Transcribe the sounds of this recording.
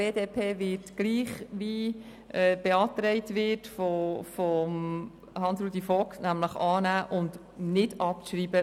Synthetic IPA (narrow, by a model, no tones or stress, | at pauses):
b̥eːdeːpʰeːʋɪtɡ̥liːχʋiː | ʔɛːb̥ɛɑːtɾɛɪtʋɪtfɔfɔm | hɑnsɾuːdifɔksnæmləχɑːnæːʔʊnd | nɪdɑpʃɾiːbə